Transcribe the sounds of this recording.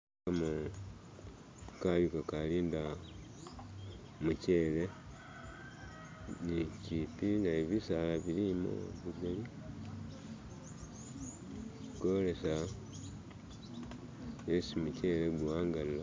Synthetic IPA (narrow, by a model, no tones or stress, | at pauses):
amu | kajukakaliːnda | muce̞ːle̞ | nicipinaeβisalaβilimo̰βiɡali | iko̞le̞sa | esimuce̞leɡuaːŋɡalila